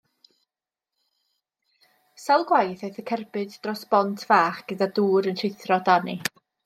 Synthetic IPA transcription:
salˠɡwajθejθəkʰɛrbɨdd̥rɔsb̥ɔntʰv̥aːχɡ̥ədaduːɾəntʰɪθrɔdani

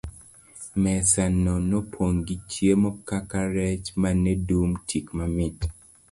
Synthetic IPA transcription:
mɛsanɔnopʰoŋɡit͡ʃjemɔkakaɾɛt͡ʃmanɛdumtʰikmamit

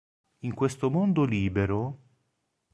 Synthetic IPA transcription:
iŋkwest̪omond̪oliːbeɾo

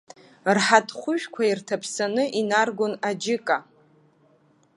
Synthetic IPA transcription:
rħatʰχʷʊʒᶣkʷʰairtʰapʰsanɨʔinarɡʷonad͡ʒɪkʼa

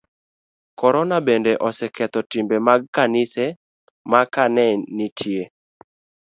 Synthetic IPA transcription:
kɔɾɔnabendɛʔɔsɛkɛt̪ɔtimbemaɡ̚kanɪsɛ | makanɛnitʰje

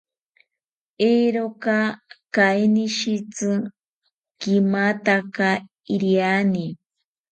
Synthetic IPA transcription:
eɾokakajniʃit͡sɨ | kimat̪aka | iɾjani

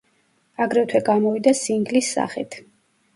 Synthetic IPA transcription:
aɡɾɛt̪ʰwɛɡamɔvid̪asiŋɡlisːa̰χḭt̪ʰ

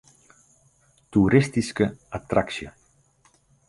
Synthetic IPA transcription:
t̪uɾist̪iskəat̪ɾaksjo

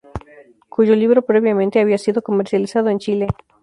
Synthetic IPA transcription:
kuʝoliβɾopɾeβjamẽnt̪eaβiasiðo̞ko̞meɾsjalisað̞oent͡ʃile

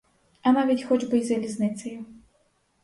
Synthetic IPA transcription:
ɐmavʲitʲxɔd͡ʒbɨzʲɐlʲiznɨt̪sɐju

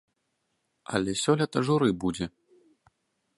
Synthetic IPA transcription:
ɐlʲɛsʲɔlʲɐt̪ɐʐuɾɨbud͡zʲɛ

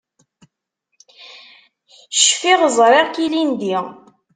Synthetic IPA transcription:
ʃfiʁzˤɾˤeʁkilind̪i

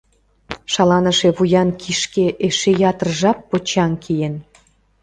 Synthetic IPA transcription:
ʃɑlɑnəʃeβujɑnkʰiʃkeʔeʃejɑt̪ərʒɑpːot͡ɕɑnkʰijen

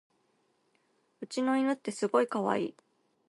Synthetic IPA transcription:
ɯ̟t͡ɕino̞inɯ̟t̪ːe̞sɨɡo̞ikaβa̰ḭː

